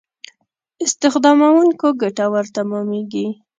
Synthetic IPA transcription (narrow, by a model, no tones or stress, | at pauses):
ɪst̪ɪxd̪ɑmawuŋkoɡaʈawəɾt̪amɑmeɡi